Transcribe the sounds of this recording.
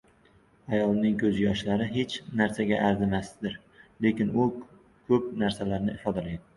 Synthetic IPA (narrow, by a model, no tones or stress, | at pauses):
ajɒlˠnɪŋkʰɵzjɒʃlaɾɪɦe̞t͡ʃnaɾsaɡʲaʔaɾzɪmasd̪ɪɾ | le̞kʲɪnʊ | kʲʰɵp̚naɾsalaɾnɪɪfɒd̪alajd̪ɪ